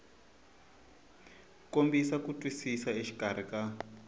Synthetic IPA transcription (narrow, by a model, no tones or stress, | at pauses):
kombisakutʼwisisaeʃi̥kʼar̤ika